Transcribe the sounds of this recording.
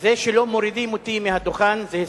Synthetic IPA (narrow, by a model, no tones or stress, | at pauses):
zeʃelo̞mo̞ɾid̪imot̪imehad̪oχanze